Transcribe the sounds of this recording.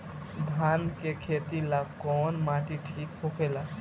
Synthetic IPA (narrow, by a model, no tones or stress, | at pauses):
bʱankekʰet̪ilakɔnmaʈiʈʰikɦokʰela